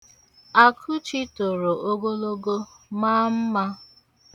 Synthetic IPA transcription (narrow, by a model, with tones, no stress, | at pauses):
a˨kʰu˦t͡ʃi˦to˨ɾo˨ʔo˦ɡo˦lo˦ɡo˦ma˦m̩˦ma˦